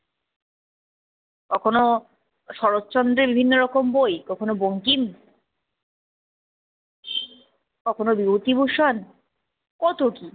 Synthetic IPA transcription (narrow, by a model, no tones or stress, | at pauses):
kɔkʰono | ʃɔɾotːt͡ɕɔnd̪ɾebibʱinːoɾɔkombojkɔkʰonoboŋkim | kɔkʰonobiot̪ibʱuʃan | kɔt̪oki